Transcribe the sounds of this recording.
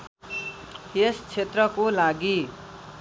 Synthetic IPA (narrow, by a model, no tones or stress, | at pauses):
est͡sʰet̪rʌkolaɡi